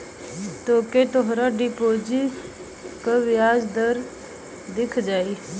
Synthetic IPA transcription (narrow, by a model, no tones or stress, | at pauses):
t̪oːket̪ʊɦɾaɖɪpoːd͡ʒi | kaʋɪjaːd͡ʒd̪əɾ | d̪ɪkʰd͡ʒaːiː